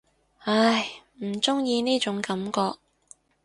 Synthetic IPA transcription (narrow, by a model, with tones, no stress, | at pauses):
a˧˩jm̩˨˩t͡sʊ˥ŋjiː˧niː˥t͡ʃʊ˨˥ŋkɐ˨˥mkɔː˧k̚